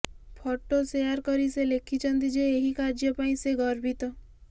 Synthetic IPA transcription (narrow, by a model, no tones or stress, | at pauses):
pʰɔʈosejaɾkɔɾiselekʰit͡ʃʰʌnt̪id͡ʒeːɦikaɾd͡ʒjɔpaĩseɡɔɾbʱit̪ɔ